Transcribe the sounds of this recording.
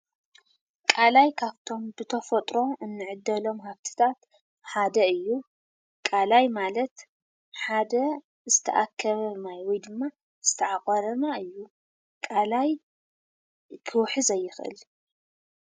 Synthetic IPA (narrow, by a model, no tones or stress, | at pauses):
kʼalajkʰaβt̪ʰo̞mbɨt̪ʰɐfɐt̪ʼɾo̞ʔɨnːɨʕɨd̪ːɐlo̞mɦaβt̪ʰi̥t̪ʰat̪ | ħad̪ɐɨjːu | kʼalajmalɐt̪ | ħad̪ɐ | zɨt̪ʰɐ̰ʔakʰːɐβɐnajwɔjd̪ɨmːa | z̥ɨt̪ʰɐʕaχʼɐɾɐnaɨjːu | kʼalaj | kʰɨwħɨzɐjːɪxʔɨ̰l